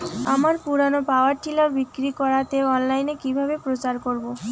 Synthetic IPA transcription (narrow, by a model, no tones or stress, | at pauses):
amaɾpuɾanopaoaɾʈilaɾbikɾikɔɾat̪eɔnlajnekibʱabepɾot͡ɕaɾkoɾbo